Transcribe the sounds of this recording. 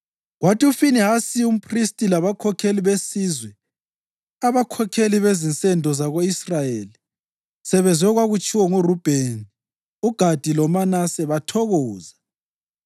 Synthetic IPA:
ɣwatʰiufiniɦasium̩pʰʼristʼilaβakʰɔkʰeliβesizwɛ | aβakʰɔkʰeliβezint͡sʼɛndʱɔzaɣoisrajeli | sɛβɛzwɛɣwaɣut͡ʃʼiwɔŋurub̥ʱeni | uɡ̥ʱad̥ʱilɔmanasɛβatʰɔɣɔːza

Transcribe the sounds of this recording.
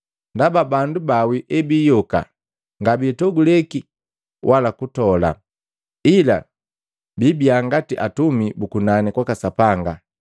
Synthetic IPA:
ndababandubawiʔɛbiːjɔka̰ | ŋɡabitɔɡulɛki | wʔalakutɔla̰ | ila̰ | bibiaŋɡatiʔatumibukunanikwakasapaŋɡa

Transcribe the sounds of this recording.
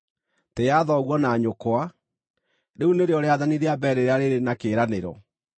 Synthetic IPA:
tejaðɔɣwɔnaːɲokoa | ɾeuneɾeɔɾeaðaniɾeabɛɾeɾeaɾeɾenakeːɾaneɾɔ̰

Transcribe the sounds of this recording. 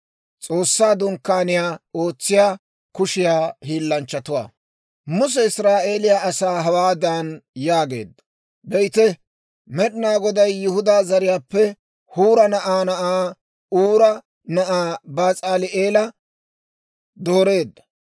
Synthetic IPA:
t͡sʼo̞ːsːaːd̪ʊŋkːaːnɪjaːo̞ːt͡sːɪjaː | kʊʃɪjaːhiːlːɐnt͡ʃːɐt̪ʊwa̰ː | mʊs̬ɛɪsɾaːʔe̞ːlɪjaʔɐsaːɦɐwaːd̪anjaːɡe̞ːd̪ːɐ̥ | bɛjt̪ɛ | mɛɗɪnaːɡɔd̪ɐjːʊhʊd̪aːzɐɾɪjaːpːɛ | huːɾɐnɐʔaːnɐʔaː | uːɾɐ | nɐʔaːbaːt͡sʼaːlɪʔeːlɐ | d̪o̞ːɾeːd̪ːɐ̥

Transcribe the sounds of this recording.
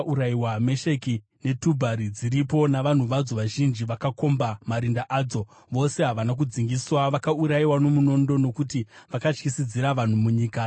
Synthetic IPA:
uɾaiwame̞ʃe̞ki | ne̞tubʱaɾid͡ziɾipo̞naʋan̤uʋad͡zo̞ʋaʒind͡ʒiʋakako̞mbamaɾindaʔaːd͡zo̞ | ʋo̞se̞ɦaʋanak̬ud͡ziŋɡiswaʋakauɾaiwano̞muno̞ndo̞no̞kutiʋakat͡ʃkisid͡ziɾaʋan̤umuɲiːka

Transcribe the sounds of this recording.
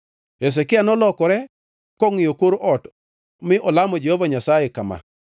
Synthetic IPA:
es̬ɛkɪanɔlɔkɔɾɛ | kɔŋɪjokoɾoʔɔt | mɪʔɔlamɔd͡ʒehovaɲasajekama̰

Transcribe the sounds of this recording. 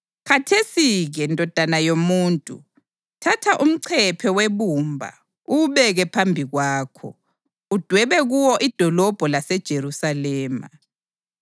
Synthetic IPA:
kʰatʰesiɣɛndʱʼɔd̥ʱanajomuːntʼṵ | tʰatʰaʔum̩ǀʰɛpʰɛweβumbʱa̰ | uβɛɣɛpʰambʱiɣwaːkʰɔ̰ | ud̥ʱwɛβɛɣuwɔʔid̥ʱɔlɔb̥ʱɔlasɛd̥ʒ̥ʱeɾusalɛːma̰

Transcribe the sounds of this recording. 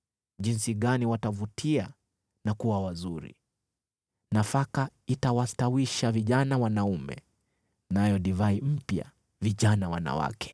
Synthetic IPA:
ʄinsiɠaniwatavutʰia | nakuwawazuɾḭ | nafakaitawastawiʃaviʄanawanaumɛ̰ | najɔɗivaim̩pja̰ | viʄanawa̰na̰wa̰kʰɛ̥

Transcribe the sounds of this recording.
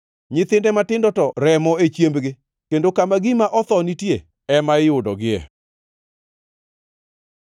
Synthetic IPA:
ɲɪt̪ɪndɛmatɪndɔtɔɾɛmɔet͡ʃjembɡɪ | kendokamaɡimaʔɔt̪ɔnitje | ɛmaɪʊdɔɡɪɛ̰

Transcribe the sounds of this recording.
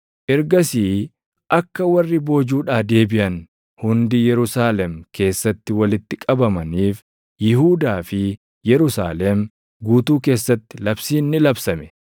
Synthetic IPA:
ʔɪɾɡɐsiː | ʔɐkːɐwɐrːɪbo̞ːd͡ʒuːᶑaːd̪e̞ːbɪʔɐn | hʊnd̪ɪjɛɾʊsaːlɛmke̞ːsːɐt̪ːɪwɐlɪt̪ːɪkʼɐbɐmɐniːf | jɪɦuːd̪aːfɪ | jɛɾʊsa̰ːlɛm | ɡuːt̪uːke̞ːsːɐt̪ːɪ̥lɐbsiːnːɪlɐbsɐmɛ̥

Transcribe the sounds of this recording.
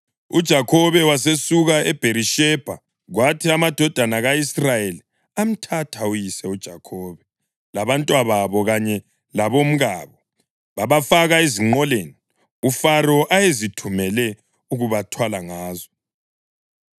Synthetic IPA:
ud̥ʒ̥ʱakʰɔβɛwasesuɣaɛb̥ʱeɾiʃɛb̥ʱa̰ | ɣwatʰiamad̥ʱɔd̥ʱanaɣaisrajeli | am̩tʰatʰaujisɛud̥ʒ̥ʱakʰɔːβɛ | laβantʼwaβaβɔɣaɲɛ | laβom̩ɣaːβɔ | βaβafaɣaeziŋ͡ǃɔleni | ufaɾɔʔajezitʰumɛlɛ | uɣuβatʰwalaŋaːzɔ

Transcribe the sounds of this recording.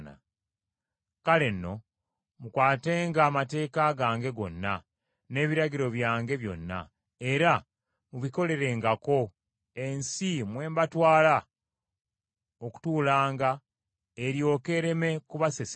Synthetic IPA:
na̰ | kale̞nːo̞ | mukwaːteːŋɡaːmate̞ːkaɡaːŋɡe̞ɡo̞̰nːa | ne̞ːβiɾaɟiɾo̞βjaːŋɡe̞βjo̞̰nːa̰ | e̞ɾa | muβiko̞le̞ɾe̞ːŋɡako̞ | e̞nsimwe̞ːmbatwaːla | oku̥tuːlaːŋɡa | eɾjo̞ːke̞ɾe̞me̞kuβases

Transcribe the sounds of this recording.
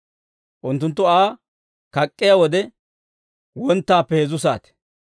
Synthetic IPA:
ʔʊnt̪ːʊnt̪̬ːʊaː | kɐkʼːɪjawɔd̪ɛ | wɔnt̪ːaːpːɛhɛzʊs̬aːt̪ɛ̥

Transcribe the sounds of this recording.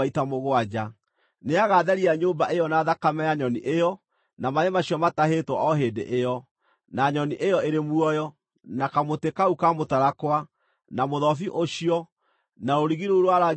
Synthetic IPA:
itamoɣoad͡ʒa | neaɣaðɛɾiaɲoːmbaʔejɔnaːðakamɛjaɲɔniʔejɔ | namaɾemaɕiɔmataɦeːtwɔʔɔɦeːdḛʔejɔ | naɲɔniʔejɔeɾemuɔjɔ | nakamotekaukamotaɾakwa | namoðɔfiʔoɕiɔ | naɾoɾiɣiɾouɾwaɾa

